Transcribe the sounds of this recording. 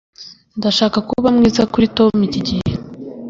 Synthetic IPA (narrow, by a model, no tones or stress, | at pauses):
ndaʃaːkakuβamŋiːzakuɾito̞miciɟihe